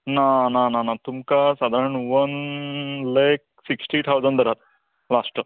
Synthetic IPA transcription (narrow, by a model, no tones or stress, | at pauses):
nanananat̪umkasad̪ʱaɾəɳʋən | lak̚ | siksʈit̪ʰawd͡zəɳd̪əɾat̪̚ | lasʈ